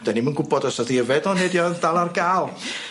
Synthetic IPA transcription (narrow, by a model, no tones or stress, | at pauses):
d̥ənimənɡʊbɔdɔsɔðiəvɛdɔnedjɔðdalˠarɡaːlˠ